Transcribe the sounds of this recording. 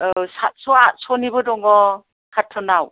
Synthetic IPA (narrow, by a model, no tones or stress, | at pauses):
sasɔasɔnibɔdɔŋɡɔ | kʰatʰːɔnaw